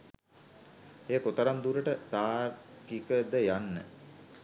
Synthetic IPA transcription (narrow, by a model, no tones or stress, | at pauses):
ejəkot̪əɾamd̪uɾəʈət̪aːrkikəd̪əjanːə̰